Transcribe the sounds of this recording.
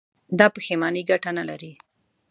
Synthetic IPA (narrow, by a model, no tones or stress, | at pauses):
d̪ɑpəxemɑniɡaʈanalaɾi